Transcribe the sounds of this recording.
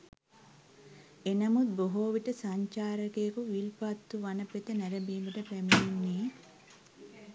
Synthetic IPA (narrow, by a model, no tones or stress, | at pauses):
enɐmut̪̚boɦoːʋiʈəsaɲt͡ʃaːɾɐkekuʋilpat̪ːuʋanɐpet̪ənæɾɐbiːbəʈəpæmijunːeː